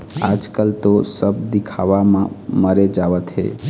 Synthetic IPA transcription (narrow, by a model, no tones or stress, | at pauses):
a̰d͡ʒkəlt̪osəbd̪ikʰaʋamməɾed͡ʒaʋət̪ɦḛ